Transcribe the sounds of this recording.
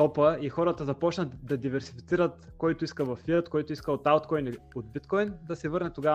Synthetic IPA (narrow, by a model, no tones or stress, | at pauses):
ɔpəixɔɾət̪əzɐpɔt͡ʃnəd̪ɐd̪ivɛɾsi̥fit̪siɾət̪kɔjt̪oiskəvɐfːiɾt̪kɔjt̪ʊiskəot̪alt̪kɔjniod̪̚bit̪kɔjnd̪ɐsɛvɤɾnɛt̪oɡa